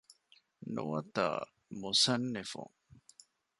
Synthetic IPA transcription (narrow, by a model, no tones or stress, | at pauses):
nuʋɐt̪ɐ̰ | musɐnːefṵŋ